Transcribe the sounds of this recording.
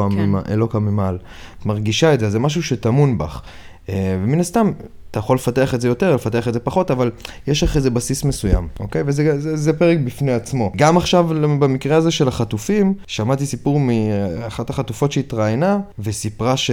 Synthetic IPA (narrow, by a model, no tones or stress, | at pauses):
amimaʔelokamimal | tmaʁɡiʃaetzezemaʃ̬uʃetamunba̰χ | eveminast̪am | t̪ajaχo̞lːe̞fate̞aχetzejo̞te̞ʁle̞fat̪e̞aχedze̞paχo̞tavaljeʃlaχezebasisme̞suja̰mo̞̰ke̞jvezezezepe̞ʁek̚bifneat͡smo̞ɡamaχʃavbamikʁeaze̞ʃe̞laχatufimʃamat̪̬isipuʁmiaχataχatufo̞tʃeit̪ʁajnavesipʁaʃ